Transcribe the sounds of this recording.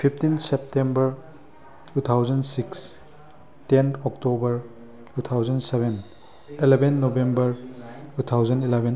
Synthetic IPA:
pʰipʰtinsep̚tembɐɾ | tutʰawzɐnsiks | tenʰɔk̚tobɐɾ | tutʰawzɐnsebʱen | ilebenːobembɐɾtutʰawzɐnilebʱen

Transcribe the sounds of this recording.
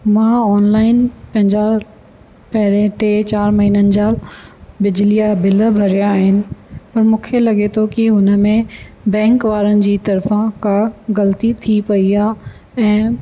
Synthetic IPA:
mãɔːnlaːɪnpɐ̃ɦɪ̃ɲd͡ʑa | pɐɦɪɾẽʈeːt͡ɕaːɾmɐɦiːnənɪ̆d͡ʑaːbɪd͡ʑlijabɪlbʱɐɾijaɦɪnɪ̆pɐɾmũːkʰelɐɠet̪ʰokiɦʊnə̆mẽ | bɛ̃ːŋkʋaːɾənɪ̆d͡ʑiːt̪ɐɾfãkaɣɐlt̪it̪ʰipɐiaː | ɛ̃ː

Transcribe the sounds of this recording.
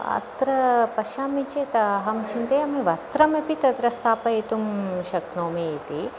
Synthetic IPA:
ɐ̰t̪ɾɐpɐʃaːmit͡ʃet̪ɐɦɐmt͡ʃʰint̪eːɐmeʋɐst̪ɾɐmɐpit̪ɐt̪ɾɐst̪ʰaːpɐit̪umʃɐknoːmeit̪i

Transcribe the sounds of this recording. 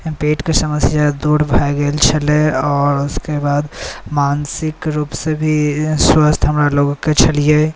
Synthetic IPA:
peːʈkesəməsɪjad̪uːɾbʱaeɡelt͡ʃʰəleɔːɾʊskebaːd̪maːnsɪkɾuːpsebʱiswəst̪ʰɦəmɾaloːɡõket͡ʃʰɐlie

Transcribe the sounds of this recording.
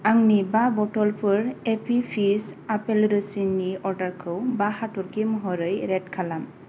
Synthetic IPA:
aŋnibabɔtɔlpʰɯɾepʰipʰisapelɾɯsiniɔɾdaɾkʰɯwbahatɔɾkimɔɦɔɾɯjɾɛt̚kʰalam

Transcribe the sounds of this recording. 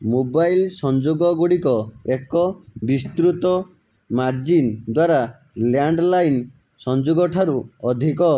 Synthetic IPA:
mobajlsɔnd͡ʒoɡɔɡuɽikɔekɔbist̪ɾut̪ɔ | mad͡ʒind̪waɾa | ljaɳɖlajn | sɔnd͡ʒoɡɔʈʰaɾuɔd̪ʱikɔ

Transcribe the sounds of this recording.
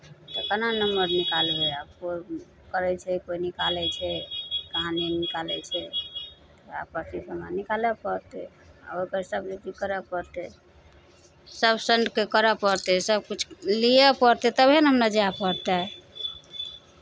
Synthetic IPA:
t̪ɔkənanəmbəɾnikalbeabko | kəɾɛt͡ʃʰɛkoinikalɛt͡ʃʰɛkaɦãnenikalɛ̰t͡ʃʰɛ | t̪ɔa̰pəɾt̪isəmanikalɛpəɾt̪ɛ | a̰okəɾsəbɾed͡ʒ̪ikəɾɛpəɾt̪ɛ | səbsəɳɖkekəɾɛpəɾt̪ɛsəb̚kut͡ʃʰlijɛpəɾt̪ɛt̪əbʱenɦəmnad͡ʒeapəɾt̪a

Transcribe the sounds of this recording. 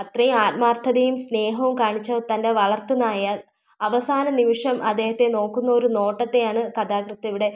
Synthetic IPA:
ɐt̪rɐjumaːt̪maːrt̪ʰɐðejumsne̞ːɦɐʋumkaːɳit͡ɕːɐt̪ɐnde̞ʋɐɭɐrt̪ɨnaːjɐ | ɐʋɐsaːnɐnimiʂɐmʔɐd̪ːe̞ːhɐt̪ːe̞no̞ːkːunːɐo̞ɾuno̞ːʈːɐt̪ːe̞jaːɳɨkɐd̪aːkrɨt̪ːɐʋiɽe̞

